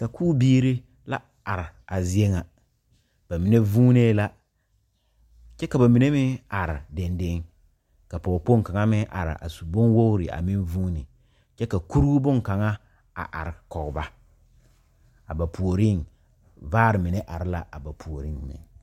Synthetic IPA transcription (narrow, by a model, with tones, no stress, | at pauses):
ka˨kʰuː˦biː˦ɾi˦ | la˦ | a˨ɾɪ˨a˨zi˦e˦ŋa˨ | b̥a˨mi˨ne˦vuː˦neː˦la˦ | t͡ʃɛ˦ka˨ba˨mi˨ne˦mɪ˦a˨ɾɪ˨dɛ˨nde˦ŋ | ka˨pɔ˨po˦ŋ˨ka˨ŋa˦mɪ˦ʔa̰˨ɾɪ̰˨ʔa̰˨su˨bo˦nwo˦ɣɾɪ˨ʔa̰˨mɪ˦nvuː˦nɪ˨ | t͡ʃɛ˦ka˨ku˦ɾu˦bʊ˦ŋ˨ka˨ŋa˦ | a̰˨ʔa̰˨ɾɪ˨kɔ˨ɣba˦ | a˨ba˨pu˨o˨ɾɪ˦˨ŋ | vaː˦ɾɪ˨mɪ˨ne˦ʔa˨ɾɪ˦la˦ʔa˨ba˨pʰu˨o˨ɾɪ˦ŋmɪ̰˨ŋ